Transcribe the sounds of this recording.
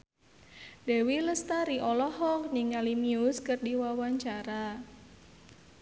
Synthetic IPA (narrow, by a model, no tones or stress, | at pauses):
dɛwiləst̪aɾiʔɔlɔhɔk̚niŋalimiʊskərdiwawaɲt͡ʃaɾa